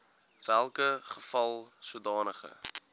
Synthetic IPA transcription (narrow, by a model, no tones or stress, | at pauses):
vælˠkəχə̥fɐlˠsudɑːnəχə̰